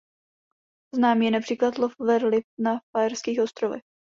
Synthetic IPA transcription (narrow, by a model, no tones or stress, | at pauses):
znaːmiːjɛnapr̥iːklat̪lofvɛɾlɪfnafaɛrskiːxo̞st̪ɾovɛ̰x